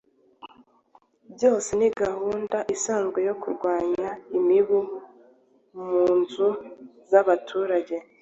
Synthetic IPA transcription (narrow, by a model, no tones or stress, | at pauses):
bɟo̞ːse̞niɡahuːndaʔisaːŋzɡwe̞jo̞kuɾɡwaːɲaimiβu | muːnzuzaβatʰuːɾaɟe̞